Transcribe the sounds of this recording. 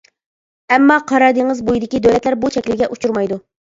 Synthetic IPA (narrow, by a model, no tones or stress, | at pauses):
ɛmːɑqʰɑɾɑɾd̪əŋɨzbujid̪ɪkʲid̪øwlɛt̪læɾbut͡ʃʰɛkʲlɪɡʲɛʔut͡ʃʰuɾmɑjd̪u